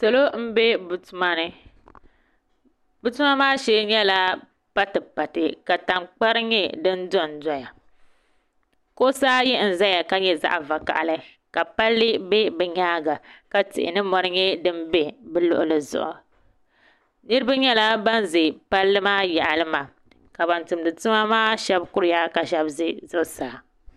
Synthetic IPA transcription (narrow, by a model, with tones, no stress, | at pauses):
sa˨lo˦m̩˦be˦bu˨tu˦ma˦nɨ˦ | bu˨tu˦ma˦maː˦ʃɛː˦ɲɛ˦la˦ | pa˦tɨ˨pa˨tɨ˨ka˨ta˨ŋk͡pa˦ɾɨ˦ɲɛ˦dɨ˦n˦dʊ˦˨n˨dɔ˦ja˨ | ko˦saː˦jɛ˦n̩˨za˦ja˨ka˦ɲɛ˦za̰˦ʔa˨va˨ka̰˨ʔa˨lɨ˦ | ka˨pa˦lːɨ˦be˦bɛ˨ɲaː˦ɡa˨ka˦tɪ̰˨ʔɪ̰˨nɨ˦mɔ˦ɾɨ˦ɲɛ˦dɨ˦nbe˦bɛ˦lʊ̰˦˨ʔʊ˦lɨ˨zʊ̰˨ʔʊ̰˨ | nɨ˦ɾɨ˦ba˦ɲɛ˦la˦ba˦n˦ze˨pa˦lːɨ˦maː˦jɛ˨ʔa˨lɨ˦ma˨ | ka˨ba˨ntɨ˨mdɨ˨tɨ˦ma˦maː˦ʃɛ˦bkʊ˦ɾɨ˦ja˦ka˨ʃɛ˦bzɨ˦zʊ˦˨saː˨˦˨